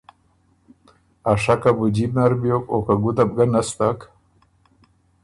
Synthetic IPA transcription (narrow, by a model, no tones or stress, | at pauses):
aʂakabud͡ʑibnaɾbjokokaɡud̪ab̚ɡanast̪ak